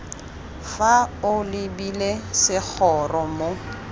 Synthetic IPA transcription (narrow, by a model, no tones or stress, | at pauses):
faʊlɪbilesɪk͡xʰɔrɔmo